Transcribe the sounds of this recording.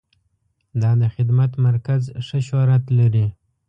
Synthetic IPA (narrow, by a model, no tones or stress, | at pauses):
d̪ɑd̪əxɪd̪mat̪maɾkazʂəʃɑɾat̪laɾi